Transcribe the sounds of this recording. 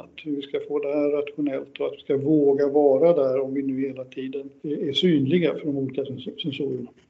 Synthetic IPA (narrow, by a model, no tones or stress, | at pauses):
att̪vɪskafoːd̪ɛhæːat̪ɧʊnɛlt̪ɔat̪vɪskavoːɡavɑːɾad̪æɾɔmvɪnʉ̟ːheːlat̪ʰiːd̪ənæʂyːnlɪɡafœɖɔmuːlɪːkasɛnsuːɾəɳa